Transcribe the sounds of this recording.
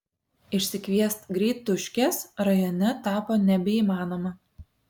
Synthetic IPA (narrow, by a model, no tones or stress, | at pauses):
ɪʃʲsʲɪkʋʲiɛst̪ɡɾʲɛɪt̪ʊʃʲkʲɛsɾɐjoːnʲɛt̪ɑːpoːnʲɛbʲɛiːmɑːnoːmɐ